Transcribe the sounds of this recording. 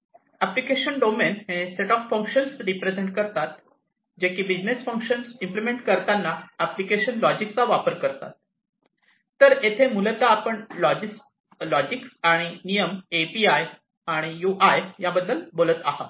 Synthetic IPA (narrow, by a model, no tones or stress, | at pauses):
æplikeɕənɖomenɦeseʈɔfːə̃ŋkɕənsɾipɾed͡zeɳʈ̚kəɾt̪at̪ | d͡ʑekiːbid͡ʑnesfə̃ŋkɕənsimplimeɳʈkəɾt̪anːaæplikeɕənlɔd͡ʑikt͡saʋapəɾkəɾt̪a̰t̪̚ | əɾet̪ʰemulət̪aːpəɳlɔd͡ʑis | lɔd͡ʑiksaɽ̃inijəmepiaj | aɽ̃ijuʔajjabəd̪ʱːəlbolət̪aɦa̰